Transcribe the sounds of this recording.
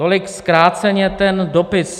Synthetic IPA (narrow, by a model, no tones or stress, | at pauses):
olɪkskɾaːt͡sɛɲɛt̪ɛndopɪs